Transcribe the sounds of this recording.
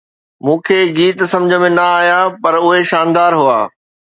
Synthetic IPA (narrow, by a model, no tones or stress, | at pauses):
mũːkʰeːɡiːt̪sɐ̃md͡ʑʱəmẽnɐaːjapɐɾʊɦeʃaːnd̪aːɾɦua̰ː